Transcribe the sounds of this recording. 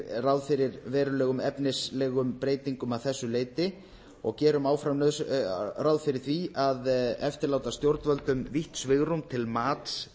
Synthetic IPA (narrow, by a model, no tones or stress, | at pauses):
rawðfɪɾɪɾvɛːɾʏlɛːɣʏmɛpnɪslɛːɣʏmpɾeːjt̪iŋkʏmaðθɛsːʏleːjt̪ɪ | ɔɣcɛːɾʏmaːwfɾamnœðsrawðfɪɾɪɾ̥θviaðɛft̪ɪɾlaːwt̪ast̪jowɾt̪nvœlt̪ʏmviht̪svɪɣɾumt̪ʰɪlmaːt̪s